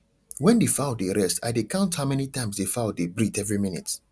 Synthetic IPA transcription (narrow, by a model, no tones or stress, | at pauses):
wɛ̃ndefaʊdeɹɛsta̰jdekãʊ̃nthaʊmɛnitãɪ̃msdefaʊdebɹitɛvɹiminḭt